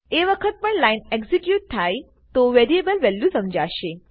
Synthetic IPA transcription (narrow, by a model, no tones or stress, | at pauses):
eʋəkʰət̪̚pəɳlajneksikjuʈ̚t̪ʰːaj | t̪oʋeɾiebəlʋɛljusəmd͡ʒaʃe